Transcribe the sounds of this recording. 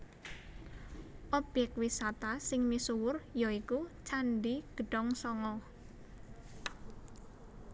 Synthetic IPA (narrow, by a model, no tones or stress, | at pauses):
ʔɔbjɛk̚t̪̚wisat̪asɪŋmisuwʊrjɔikut͡ʃanɖiɡ̥ə̤ɖ̥ɔŋsɔŋɔ